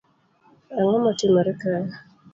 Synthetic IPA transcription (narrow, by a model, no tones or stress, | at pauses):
aŋamatimaɾɛka